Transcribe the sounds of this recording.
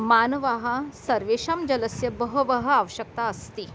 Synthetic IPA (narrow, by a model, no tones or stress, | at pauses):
manəʋaːɦasəɾʋeʂamd͡ʑələsjɐbəɦəʋɐɦəaʋəɕək̚t̪aəst̪i